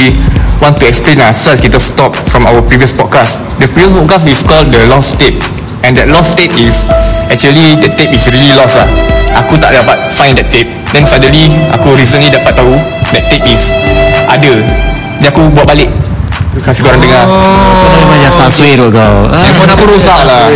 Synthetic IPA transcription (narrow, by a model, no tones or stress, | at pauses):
iwɔ̃ntuɛksplẽnasɛlskit̪əstɔp̚fɹɔ̃mawəpɹiviəspɔt̚kas | dəpɹiviəspɔt̚kasiskɔldəlɔstep̚ | ɛ̃ndɛt̚lɔstep̚isɛk̚t͡ʃuəlidət̪episɹililɔslahʔakut̪aʔ̚dapat̚fãj̃ndɛttːep̚dɛ̃nsajdə̃nliʔa̰kuɾis̬ə̃nlidapat̚t̪ːau | dɛt̚t̪ːep̚isʔadə | dɛakubuat̚balek̚kasikoɾãndəŋa | aamãjãsalsweɾɔɡaɛ̃nfɔdakuɾosaʔla